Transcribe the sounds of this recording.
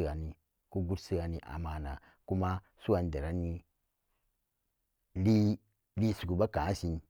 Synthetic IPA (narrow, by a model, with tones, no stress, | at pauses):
ɡa˨ni˨ | ku˦ɡu˦tsi˦ɡa˨ni˨ʔa̰˨ma˨na˨ | ku˦ma˦ | su˦a˨n˦da˨ɾa˨˦ni˦ | li˦ | li˦su˨ɡu˨ba˦ka˨˦si˨n